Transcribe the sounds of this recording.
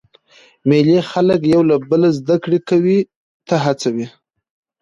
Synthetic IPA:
melexaləkjawlabəlazd̪akɽekawi | t̪aɦat͡sawi

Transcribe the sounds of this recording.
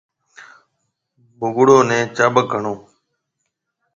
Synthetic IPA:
bʱʊɡʊɽoːnẽːt͡ʃaːbək̚ːəɳoː

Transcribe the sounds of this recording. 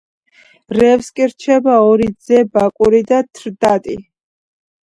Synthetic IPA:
ɾɛfskʼiɾt͡ʃʰɛbaɔɾid̪zɛbakʼuɾid̪at̪ʰɾd̪at̪ʼḭ

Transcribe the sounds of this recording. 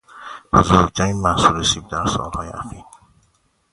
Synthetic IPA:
b̥ozoɾkt̪ʰæɾiːnmæsuːɾesiːb̚d̪æɾsɒ̰ːlhɒːjḛʔæxiːɾ

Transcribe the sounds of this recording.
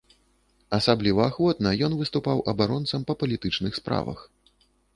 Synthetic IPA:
ɐsablʲivɐːxvɔt̪nɐjɔnvɨst̪upawʔɐbaɾɔnt̪sɐmpɐpɐlʲit̪ɨt͡ʂnɨxspɾa̰vɐ̰x

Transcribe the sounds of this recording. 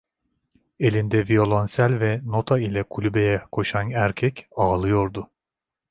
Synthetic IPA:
e̞lʲind̪ɛvio̞lˠonsælʲvɛno̞t̪ʰailʲɛkʰulʲybe̞jɛkʰo̞ʃanæɾcʰɛcaːlˠɯjo̞ɾd̪ʊ

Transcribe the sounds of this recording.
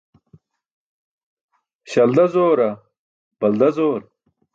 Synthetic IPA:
ɕɐld̪ɐzoːɾɐ | b̥ɐld̪ɐzoːɾ

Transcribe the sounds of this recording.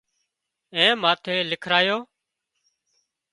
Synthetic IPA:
ẽːmaːt̪ʰeːlɪkʰɾaːjoː

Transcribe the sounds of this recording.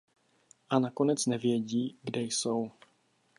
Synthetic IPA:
ʔanako̞nɛt͡snɛvjɛɟiːɡdɛjso̞w

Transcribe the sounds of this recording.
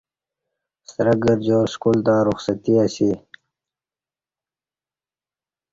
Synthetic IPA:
sɾəɡəɾd͡ʑoːskult̪aːɾuxsət̪iasi

